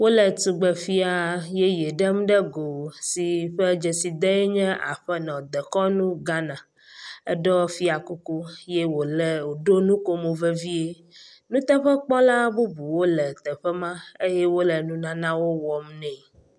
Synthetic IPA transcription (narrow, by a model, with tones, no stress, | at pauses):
wo˦lɛ˨t̪u˨ɡ͡bɛ˨fi˦a˨je˦je˨ɖɛ˦m˦ɖɛ˦ɡo˨si˨ɸɛ˦d͡ʒɛ˨si˨d̪ɛ˦ɛ˦ɲɛ̃˦ʔa̰˨ɸɛ˦nɔ̃˨d̪ɛ˨kɔ˦nũ˦ɡa˦nã˨ | ɛ˦ɖɔ˦fi˦a˨ku˦ku˦je˦wo˨lɛ˨o˨ɖo˦nũ˦ko˦mo˨vɛ˦vi˦e˦ | nũ˦t̪ɛ˦ɸɛ˦k͡pɔ˦la˦bu˦bu˨wo˦lɛ˨t̪ɛ˨ɸɛ˦mã˦e˦jɛ˦wo˦lɛ˨nũ˦nã˦nã˦wo˦wɔ˨m˦nɛ̃˨